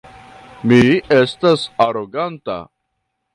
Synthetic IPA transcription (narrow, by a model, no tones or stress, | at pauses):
miestasaɾoɡanta̰